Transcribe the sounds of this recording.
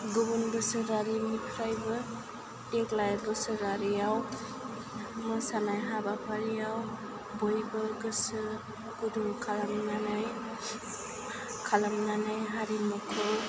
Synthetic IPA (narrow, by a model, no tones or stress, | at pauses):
ɡubunbɯsɯɾaɾinipʰɾajbɯ | teklajbɯsɯɾaɾijaw | mɯsanajɦabapʰaɾijaw | bɔjbɯɡɯsɯ | kuduŋkʰalamnanaj | kʰalamnanajɦaɾimɯkʰɯw